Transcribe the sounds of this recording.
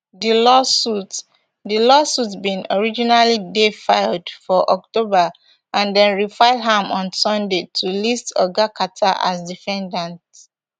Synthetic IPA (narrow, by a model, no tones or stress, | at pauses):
dilɔsut | dilɔsutbĩnɔɹid͡ʒinalidefaɪldfɔʔɔk̚toba | ʔãndɛ̃nɹifaɪlɦãmɔ̃nsɔ̃ndetʰulistɔ̰ɡakʰatʰaʔa̰sdifɛ̃ndãnt